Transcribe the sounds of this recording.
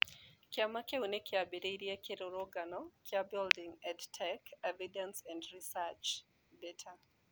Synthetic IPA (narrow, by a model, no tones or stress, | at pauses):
kɪamakeunekɪabeɾeiɾiakɪɾoɾɔɡanɔkʰɪabɪldiŋɛdtʰɛkɛvidɛ̃nsɛ̃ndɾisat͡ʃ | bɛtʰa